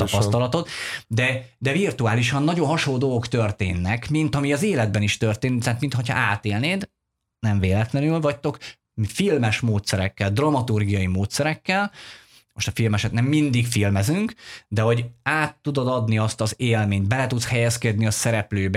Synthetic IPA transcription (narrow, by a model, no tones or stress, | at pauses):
t̪ɒpɒst̪ɒlɒt̪o̞t̪d̪ɛd̪ɛvirt̪uaːliʃɒnːɒɟo̞nɦɒʃolːoːd̪olɡokt̪ø̞rt̪ḛːnːɛkmint̪ɒmiɒzeːlɛd̪̚bɛniʃt̪ørt̪eːnt̪aːt̪mint̪ho̞chɒ̰ʔaːt̪eːlneːd̪ | nɛɱveːlɛt̪lɛnylvɒct̪o̞k | filmɛʃmoːt̪sɛɾɛkːɛld̪rɒmɒt̪urɡijɒjimoːt̪sɛɾɛkːɛl | mo̞ʃt̪ɒfilmɛʃɛt̪nɛmːind̪ikfilmɛzyŋkd̪ɛɦo̞ɟaːt̪ːud̪od̪ɒd̪niɒst̪ɒzeːlmeːɲt̪̚bɛlɛt̪ut̪shɛjɛskɛd̪niɒsɛɾɛpløːbɛ